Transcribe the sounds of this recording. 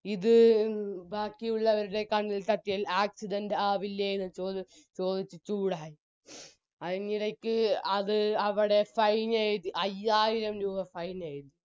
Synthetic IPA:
iðɨ | baːkːijuɭːɐʋɐɾuɽe̞kɐɳːilt̪ɐt̪ːijɐlaːk̚sidɐndeaːʋilːejenːɨt͡ɕoː | t͡ɕo̞ːd̪it͡ɕːɨt͡ɕuːɽaːji | ɐðiniɾɐkʲːɨɐðɨɐʋiɽe̞fɐjnajt̪ːiʔɐjːaːjiɾɐmɾuːɣɐfɐjnɐːjt̪i

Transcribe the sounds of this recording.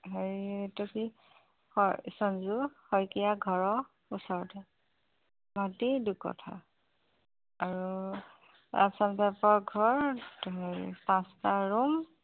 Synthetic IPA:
ɦeɹitɔki | hɔsɔnzuhɔjkijaɡʱɔɹɔ | usɔɹɔtɛ | matidukɔ̰tʰa̰ | aɹu | a̰sanbapɔɹɡʱɔɹɦeɹḭpãstaɹum

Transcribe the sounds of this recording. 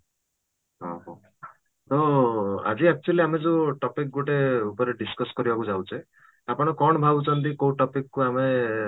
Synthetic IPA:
ɦɔ̃ɦɔ̃ | t̪ɔa̰d͡ʒiak̚t͡ʃualiamed͡ʒeʈɔpik̚ɡoʈeupɔɾeɖiskɔskɔɾibakud͡ʒawt͡ʃʰe | apɔɽ̃ɔkɔɽ̃ɔbʱabut͡ʃʰɔnt̪̬ikowʈɔpikːuame

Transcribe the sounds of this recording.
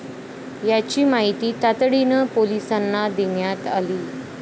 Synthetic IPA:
jat͡ɕiːmaɦit̪iːt̪at̪ɽinəpolisanːad̪injat̪aliː

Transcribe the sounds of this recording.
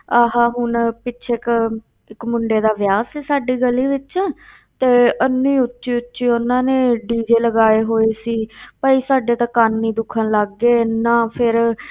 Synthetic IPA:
aːɦãːɦʊnpɪʃʰeːk | ɪkmʊɳɖeːd̪aːʋjaːsiːsaːɖiːɡəlːiːʋɪt͡ʃɛː | t̪eːʔənːĩːʊtːʃiːʊtːʃiːʊnːãːnẽːɖiːd͡ʒeːləɡaːeːɦoːeːsiːpəːiːsaːɖeːt̪ãːkaːnːiːd̪ʊkʰənləɡːeːnãːpʰɪɾ

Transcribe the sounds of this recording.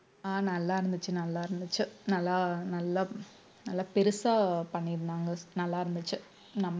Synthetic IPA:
aːnɐlːaːɪɾɯnd̪ɯt͡ʃːɯnɐlːaːɪɾɯnd̪ɯt͡ʃːɯnɐlːanɐlːɐ | nɐlːɐpɛɾɯsaːpɐɳːɪɾɯnd̪aːŋɡɐnɐlːaːɪɾɯnd̪ɯt͡ʃːɯ | nɐmː

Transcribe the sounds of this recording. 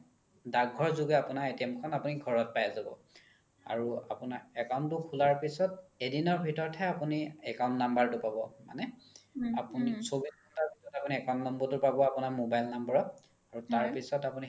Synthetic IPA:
daɡʱɔɹzuɡɛapunaetiɛmkʰɔnapuniɡʱɔɹɔt̚pajazabɔ̰ | a̰ɹuapunaɹɛkaw̃ntːʊkʰulaɹpisɔt̚edinɔɹbʱitɔɹtʰɛapuniɛkaw̃ntnambaɹtʊpabɔma̰nɛapunisobiskɔtaɹbʱisɔtapuniɛkaw̃ntnambɔtʊpabɔapunaɹmobajlnambɔɹɔ | aɹutaɹpisɔtapuni

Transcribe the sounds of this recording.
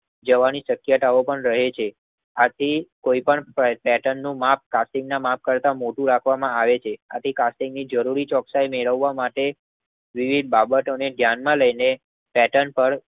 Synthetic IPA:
d͡ʒəʋaniʃəkjət̪aopəɳɾəɦet͡ʃʰe | at̪ʰikoipəɳpɛʈənːũmap̚ʰkasʈɪ̃ŋɡnamap̚kəɾt̪amoʈũɾakʰʋamãaʋet͡ʃʰeat̪ʰikasʈĩŋɡnid͡ʒəɾuɾit͡ʃɔksajmeɭəʋːamaʈe | ʋiʋid̪̚babət̪oneɖʱjanmãləjne | pɛʈənpəɾ

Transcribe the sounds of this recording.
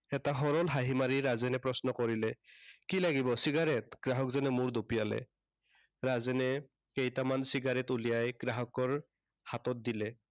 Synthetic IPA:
ɛtaɦɔɹɔlɦaɦimaɹiɹazɛnɛpɹɔsnɔkɔɹilɛkilaɡibɔsiɡaɹɛtɡ̥ɹaɦɔkzanɛmuɹdopijalɛ̰ | ɹazɛnɛ | kejtamansiɡaɹɛtulijajɡ̥ɹaɦɔkɔɹ | hatɔt̚dilɛ

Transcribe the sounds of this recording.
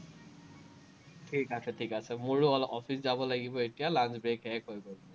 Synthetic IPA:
ʈʰikasʰɛtʰikasɛmuɹuɔɔfʰiszabɔlaɡibɔetijalanzbɹekɦɛkojbɔ

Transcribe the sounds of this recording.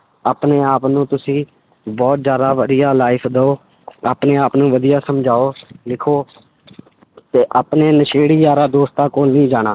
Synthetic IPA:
aːpneːaːpnũːt̪ʊsĩː | bɔːt̪zjaːd̪aːʋəd̪ijaːlaːɪpʰd̪əoː | a̰ːpneːaːpnũːʋəd̪ijaːsəmd͡ʒʱaːoːlɪkʰoː | t̪eːʔaːpneːnəʃeːɽiːjaːɾaːd̪oːst̪aːkoːlnĩːd͡ʒaːɽ̃aː

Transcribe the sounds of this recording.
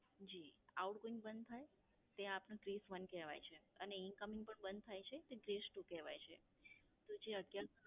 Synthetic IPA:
d͡ʒia̰uʈɡoɪ̃ŋɡbənd̪̚t̪ʰaj | t̪eãaːpnũʈɾisʋənkɛʋa̰jt͡ʃʰeəneɪnkəmɪ̃ŋɡ̚pəɳbənd̪̚t̪ʰajt͡ʃʰet̪eɡɾesʈũkɛʋa̰jt͡ʃʰḛ | t̪od͡ʒeəʈja

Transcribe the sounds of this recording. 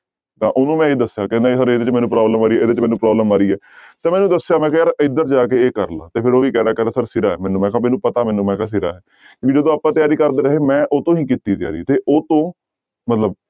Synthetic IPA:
t̪ã̰ːʔonũːmɛ̃ːeːd̪əsːjaːkɛ̃ːnd̪aːsəɾeːd̪eːt͡ʃmɛ̃ːnũːpɾaːbləmaːɾiːɛeːd̪eːt͡ʃmɛ̃ːnũːpɾɔːbləmaːɾiːɛː | t̪ãːmɛːnũːd̪əsejaːmɛ̃ːkãjaːɾɪd̪əɾd͡ʒaːkeːeːkəɾla̰ːt̪eːpʰɪɾoːiːkɛːɾaːkɛɾasəɾsɪɾaːɛːmɛ̃ːnũːmɛ̃ːkamɛ̃ːnũːpət̪aːmɛ̃ːnũːmɛ̃ːkaːs̬ɪɾa̰ːɛː | kĩːiːd͡ʒəd̪õːaːpːãːt̪ɪjaːɾiːkəɾd̪eːɾəɦeːmɛ̃ːʔoːt̪õːɦiːkit̪iːt̪ɪja̰ːɾḭːt̪eːʔoːt̪õː | mət̪ləb̚

